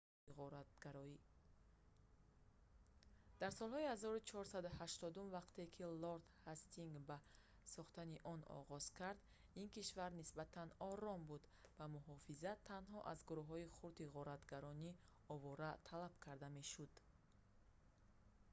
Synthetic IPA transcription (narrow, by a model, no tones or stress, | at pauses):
ʁɔɾat̪̚ɡaɾɔi | d̪̥aɾsɔlˠhɔihazɔɾut͡ʃʰɔɾsad̪uhaʃt̪ɔd̪umvaqt̪e̞kʰiloɾt̪hast̪iŋɡba | sɔχt̪aniʔɔnɔ̰ʁɔz̥kʰaɾd̪ | inkiʃvaɾnisbat̪ʰanɔɾɔmbud̪ | bamuɦɔfizat̪ʰːanɦɔʔazɡuɾuɦɔiχuɾt̪iʁɔɾat̪ɡaɾɔni | ɔvɔɾat̪ʰalab̥kʰaɾd̪ame̞ʃud̪̥